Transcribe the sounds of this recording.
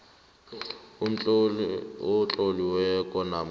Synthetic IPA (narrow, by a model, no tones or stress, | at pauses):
ʊt͡ɬʼoliwɛkʼɔnam